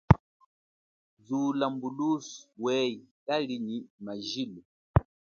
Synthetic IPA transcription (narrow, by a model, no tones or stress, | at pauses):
zuːlambuluswɛitaliɲimaʒilu